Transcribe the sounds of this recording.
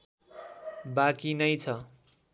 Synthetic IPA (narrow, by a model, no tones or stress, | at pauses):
bakinʌjt͡sʰʌ